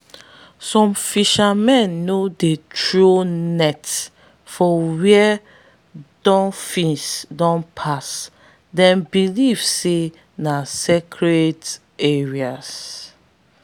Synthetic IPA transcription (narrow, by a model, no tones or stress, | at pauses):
sɔ̃mfiʃamɛ̃nːodetɹonɛt | fɔwiɛ | dɔ̃nfĩsdɔ̃npʰas | dɛ̃nbilivse | nasekʰɹet | eɹias